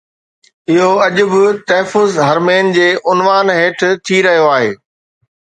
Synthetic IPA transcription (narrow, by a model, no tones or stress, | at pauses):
ɪɦoɐʄʊbɪt̪ɐɦfʊzɦɐɾmeːnd͡ʑeːʔʊnʋaːnɦeːʈʰt̪ʰiɾɐɦijoaːɦḛː